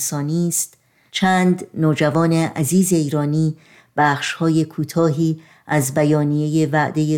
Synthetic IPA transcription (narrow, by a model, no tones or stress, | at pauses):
sɒːniːst̪ | t͡ʃʰæːnd̪noːd͡ʒævɒːne̞ʔæziːze̞iːɾɒːniː | b̥æːχʃhɒːje̞kʰuːt̪ʰɒːɦiː | ʔæzbæjɒːnije̞je̞væʔd̪e̞je